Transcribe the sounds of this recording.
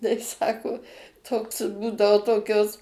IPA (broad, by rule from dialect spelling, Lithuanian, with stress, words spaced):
tɐɪ ˈsɑːkoː ˈtoːks ˈbuːdɐoː ˈtoːkʲoːs